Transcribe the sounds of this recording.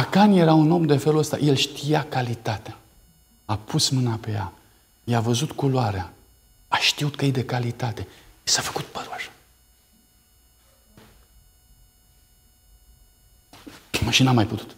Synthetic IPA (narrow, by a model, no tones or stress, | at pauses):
akanje̞ɾauno̞md̪e̞feluəst̪a̰je̞lʃt̪ijakalit̪at̪ea | apʰusmɨnape̞ja̰ | jeavəzut̪kuloaɾea | aʃt̪iut̪kəjejd̪e̞kalit̪at̪e̞isafə̥kut̪̚pəɾuaʃḁ | maʃinamajput̪u̥t̪